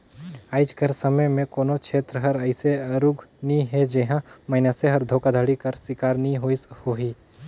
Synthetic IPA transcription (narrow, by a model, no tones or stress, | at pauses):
aːɪd͡ʒkəɾsəməjmẽkoːnot͡ʃʰeːt̪ɾəɦəɾəɪseəɾuɡʱniɦed͡ʒeɦãməɪnaseɦəɾd̪ʱoːkad̪ʱəɽikəɾsɪkaːɾniɦoɪshoɦiː